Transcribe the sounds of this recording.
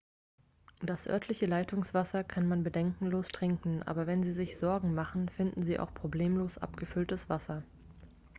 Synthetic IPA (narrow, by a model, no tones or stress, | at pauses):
d̥asʔœ̰ɐtʰlɪçəlaɪtʊŋsv̥asɐkʰanmanbədɛŋkŋ̩loːstʁ̥ɪŋkŋ̩ʔa̰ːbɐvɛnziːzɪçz̥ɔɐɡŋ̩maχn̩fɪndn̩ziːʔa̰ʊxpʁ̥obleːmloːsʔa̰pɡ̥əfʏltəsv̥asɐ